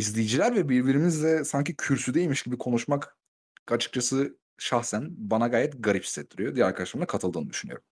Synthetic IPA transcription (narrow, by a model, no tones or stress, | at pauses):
izlʲijd͡ʒilʲæɾvɛbiɾbiɾimizd̪ɛsaɲcicʰyɾsyd̪e̞ilʲmiʃɟibikʰo̞nuʃmak | at͡ʃʰɯ̥k̚t͡ʃʰasɯ | ʃaxsænbanaɡaːjɛt̪ɡaɾipsisɛt̪ʰːiɾijod̪ijæɾaɾkʰad̪aʃlˠamakʰat̪ʰɯlˠd̪ɯːnɯd̪yʃyny̰jo̰um